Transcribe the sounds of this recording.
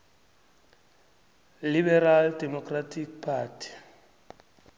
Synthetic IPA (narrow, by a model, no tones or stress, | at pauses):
libɛraldɛmɔkʰʼratʰik̚pʰaːtʰi̥